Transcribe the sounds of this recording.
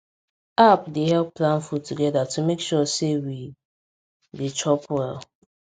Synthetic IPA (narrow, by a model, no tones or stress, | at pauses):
apdehɛlˠpːlãnfutuɡɛdatʰumekʃɔsewi | det͡ʃʰɔpʰwɛl